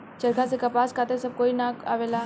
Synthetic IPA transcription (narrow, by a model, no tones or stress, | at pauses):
t͡ʃɐɾkasekɐpaːskʰaːt̪esɐb̚koːinaa̰ːʋeːla